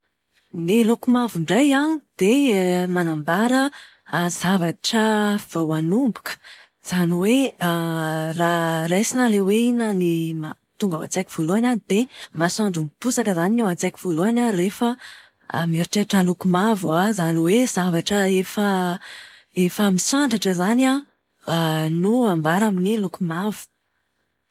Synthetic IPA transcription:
nelokumavuɳɖ͡ʐajanid̪̥emanambaɾə | z̥avaʈ͡ʂəv̥awanumbu̥kə̥ | z̥aniwe | rarejsinəleweinənima | t̪uŋɡawa̰t͡sakʲiv̥oluananid̪̥emasaɳɖ͡ʐumpusakəzaninawat͡sakivoluanarefə̰ | miɾiʈ͡ʂeʈ͡ʂalukumavuazaniwezavaʈ͡ʂəefə | efəmisaɳɖ͡ʐaʈ͡ʂəzana | nuambaɾaminilukumavu̥

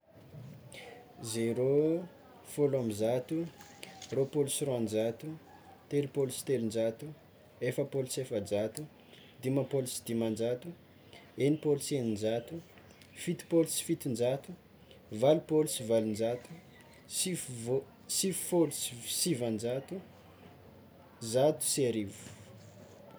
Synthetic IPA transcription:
zeɾo | folamizat̪u | ropolusiroand͡ʒat̪u | t̪elupolusi̥t̪elind͡ʒat̪u | efəpolusefəd͡ʒat̪u | d̪imapolusi̥d̪imand͡ʒat̪u | enipolusenind͡ʒat̪u | fit̪u̥polusi̥fit̪ind͡ʒat̪u | valupolusivalund͡ʒat̪u̥ | siv | sivfolusisivand͡ʒat̪u | zat̪u̥seɾivu̥

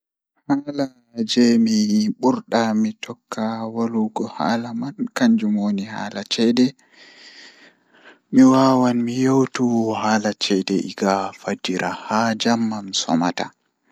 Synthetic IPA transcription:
hala | d͡ʒɛmiɓuɾɗamitʰɔkʰːawaluɡɔha̰ːlamankaɲd͡ʒumoːniha̰ːlat͡ʃɛdɛ | miwawanmijowtuhaːlat͡ʃɛdɛʔḭɡafad͡ʒiɾahad͡ʒamːamsɔ̰ma̰ta

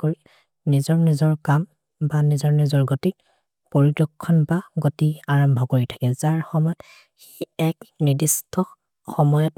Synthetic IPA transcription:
koɹi | nizɔɹnizɔɹkam | banizɔɹnizɔɹɡoti | poɹiɡɔkʰːɔnbaɡotiaɹɔmbʱɔkoɹitʰḁkɛzaɹxɔmɔjɔt | xi̥ɛknidistʰɔ | xɔmɔjɔt

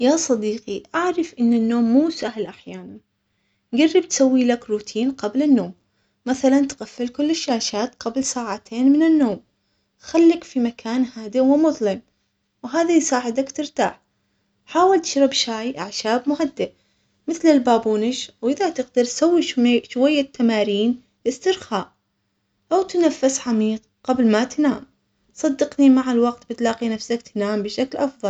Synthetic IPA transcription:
jaːsˤɑd̪iːqiʔaʕɾɑfʔɪnːɪnːoːmːuːsahlʔaħjaːnan | ɡarːɪb̚t̪sawːilakɾuːt̪ʰiːnqablɪnːoːmː | aθalant̪ɣafːɪlkʊlːɪʃːaːʃaːt̪qablsaːʕat̪ʰeːnmɪnɪnːoːm | xalːɪkfimakʰaːnhaːd̪ɪwɪmʊðˤlɪm | wɦaːðasaːʕɪd̪akt̪ɪɾt̪a̰ːħ | ħaːwalt̪ɪ̥ʃɾɪbʃaːjʔaʕʃaːbmʊɦad̪ːɪ | mɪθlɪlbaːbuːnɪʃwʔɪðat̪ɪɡd̪ɑɾsawːiʃʃwajːat̪ʰːamaːɾiːn | ʔɪst̪ɪɾxaːʔ | ʔawt̪nafːɪsʕamiːq | qablmat̪naːm | t̪sˤɑd̪ːɪqnimaʕalwɑqt̪bɪt̪lɑːqinafsakt̪naːmbɪʃaklʔɑfðˤɑl

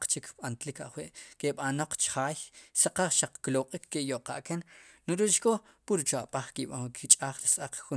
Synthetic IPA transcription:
q͡χt͡ʃikɓant̪lika̰ʔχwiʔkeɓanoq͡χt͡ʃχaːjsaqaχʃaq͡χkloqʼikʰːejoʔqa̰ʔkennuɾiʔt͡ʃkʼo | puɾt͡ʃaʔɓʼaχkiɓakʰit͡ʃʼaːχɾisʔaq͡χxu

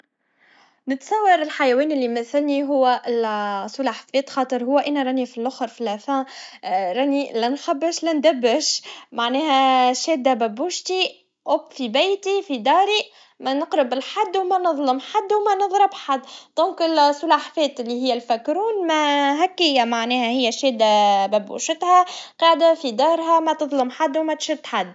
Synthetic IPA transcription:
nɪt̪sˤɑwːɑɾɪlħajæwɛːnɪlːimɪθɪlniɦʊwːæʔɪlsˤulaħfɛːt̪xɑːt̪ˤɨɾɦʊwːæʔænæɾˤɑnifilʔʊxɾfilæfæ̃ːɾˤɑnilænxæbːɪʃlænd̪æbːɪʃmaʕnɛːɦæʃɛːd̪æbæbuʃt̪i | ʔʊbfibæjt̪ifid̪ɑːɾi | mænəqɾɪbɪlħad̪ːwmænɨðˤləmħad̪ːwmænɨðˤɾɪbħad̪ːd̪̥ɔ̃ːŋkɪlsˤʊlaħfɛːt̪ɪlːihɪjːælfækɾuːnmæɦækːɪjːæmaʕnɛːhæhɪjːæʃɛːd̪ːabæbṵʃɪt̪hæqɑːʕd̪afid̪ɑːɾɦæmæt̪ɨðˤləmħad̪ːwmæt̪ʃʊd̪ːħad̪ː

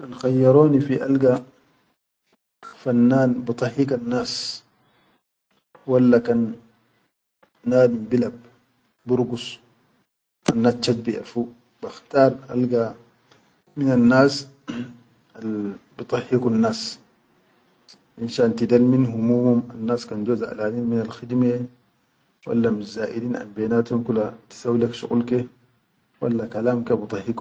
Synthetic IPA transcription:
alxajːɑɾoːnifiʔalɡa | fanːaːnbɨt̪ˤɑħikanːaːs | walːakan | aːdimbilab̚ | buɾɡus | ʔanːaːst͡ʃat̪̚biʔa̰fu | b̥axt̪aːɾˤʔa̰lɡa | minanːaːs | albit̪ˤɑhːikunːaːs | ʔinʃaːʔnt̪id̪alminhumumhumanːaːskand͡ʒoːzaʔa̰laːniːnminalxid̪me | wa̰lːamizaːʔidiːnʔa̰nbeːnaːt̪humkulat̪i̥sawːilakʃṵɣulke | wa̰lːakalaːmkabit̪ˤɑhiku

